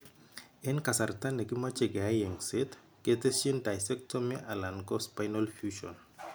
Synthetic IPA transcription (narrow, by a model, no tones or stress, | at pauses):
enkasartanekimat͡ʃeɡeajeŋset | ket̪esiendajsɛk̚tʰɔmeʔalankɔspajnɔlfjuʃɔ̰n